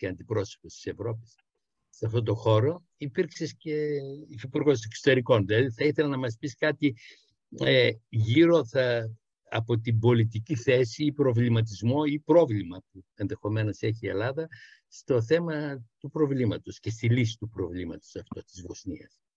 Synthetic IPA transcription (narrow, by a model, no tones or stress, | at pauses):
ceɐnd̪ipɾo̞so̥post̪i̥se̞vɾo̞pi̥s | sɐft̪ot̪̬o̞xo̞ɾo̞ | ipiɾksesce̞fipuɾɣo̞seksot̪e̞ɾiko̞nðilɐðiθɐiθe̞lɐnɐmɐspiskɐt̪i | eʝiɾo̞θɐ | ɐpo̞t̪ibo̞lit̪iciθe̞siipɾo̞vlimɐt̪̬izmo̞ipɾo̞vlimɐpue̞nðe̞xo̞me̞no̞se̞çie̞̰lɐðɐst̪o̞θe̞mɐt̪upɾo̞vlimɐt̪o̞sce̞st̪ilisi̥t̪upɾo̞vlimɐt̪o̥sɐft̪o̞t̪izvo̞zniɐs